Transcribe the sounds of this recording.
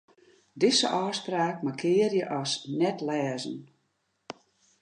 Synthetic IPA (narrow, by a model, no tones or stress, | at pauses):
dɪsə̰ʔɔːspraːk̚makʰɪərjəʔɔsnɛtlɛːzən̩